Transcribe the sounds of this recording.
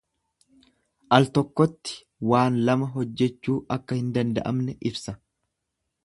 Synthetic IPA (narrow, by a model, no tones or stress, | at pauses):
ʔɐlt̪ɔkːɔt̪ːɪ̥ | waːnlɐmɐɦɔd͡ʒːɛt͡ʃːuːʔɐkːɐhɪnd̪ɐnd̪ɐ̰ʔɐ̰mnɛʔɪbsɐ